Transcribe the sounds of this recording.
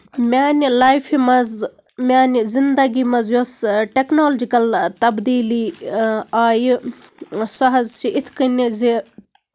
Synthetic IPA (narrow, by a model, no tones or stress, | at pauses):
maːnilaːjfʰimɐz | mʲaːnizind̪ɐɡimɐzjoːsʈeknoːld͡ʒikɐlt̪ɐbd̪iːli | aːj | sɐɦɐzsiʔɪt̪ʰkinizi